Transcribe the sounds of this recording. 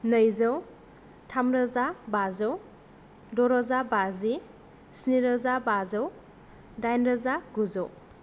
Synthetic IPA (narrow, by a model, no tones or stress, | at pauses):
nəjzəw | tʰamɾəzabazəw | dɔɾɔzabazi | sniɾəzabazəw | dajnɾəzaɡuzɔw